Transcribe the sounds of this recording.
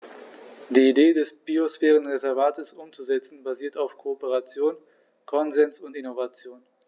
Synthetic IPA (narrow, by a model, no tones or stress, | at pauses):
d̥iːideːdɛsb̥iosfɛːʁ̞ənʁezɛɐvaːtʰəsʔʊmt͡suzɛt͡sn̩baziːɐtaʊfkʰoopəʁat͡sjoːn | kʰɔnzɛnsʊntɪnovat͡sjoːn